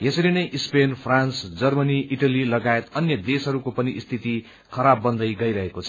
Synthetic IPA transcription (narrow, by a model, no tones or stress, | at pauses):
jʌsʌɾinʌjʔispenpʰransd͡zʌrmʌniʔiʈʌlilʌɡaet̪ʌnjʌd̪esɦʌɾukopʌniʔist̪ʰit̪i | kʰʌɾabːʌnd̪ʌjɡʌjɾʌɦekot͡sʰʌ